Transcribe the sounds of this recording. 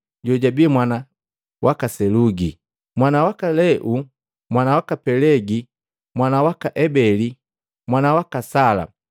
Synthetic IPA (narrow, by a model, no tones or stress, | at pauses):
ɟɔɟabimwana | wʔakasɛluɡi | mwanawakalɛʔu | mwanawakapɛlɛɡi | mwanawakaʔɛbɛli | mwanawakasala̰